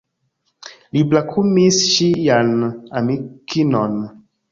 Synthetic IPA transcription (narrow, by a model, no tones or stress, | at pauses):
liblakʰumisʃijanamikʰinɔn